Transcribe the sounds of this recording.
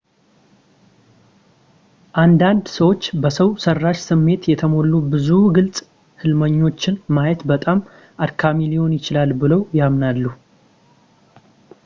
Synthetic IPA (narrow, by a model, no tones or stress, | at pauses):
ʔand̪and̪səwo̞t͡ʃːbəsəwsərːaʃsɨmːe̞t̪jɛt̪ʰəmo̞lːubɨzuɡɨlsʼ | hɨlməɲːo̞t͡ʃːɪnmajɛt̪bət̪ʼam | ʔaɾkʰamilijo̞njɪt͡ʃɪlalbɨləwjamnalːu